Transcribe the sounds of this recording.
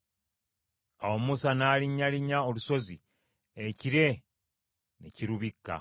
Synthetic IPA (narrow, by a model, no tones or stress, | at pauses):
a̰wo̞musanaːliɲːaliɲːaoluso̞zi | eciɾe̞ | neciɾuβikːa̰